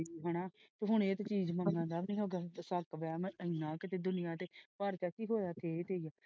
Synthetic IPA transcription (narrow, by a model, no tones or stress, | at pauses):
iɦɛnaːt̪eɦʊɳ̃eːt̪eːt͡ʃiːd͡ʒmə̃ŋɡãːnd̪aːbnĩːɦoːɡaːsəkʋɛːməinãːkɪt̪eːd̪ʊnɪjãːt̪eːpaːɾt͡ʃaːkiːɦoːjaːkeːt̪eːijaː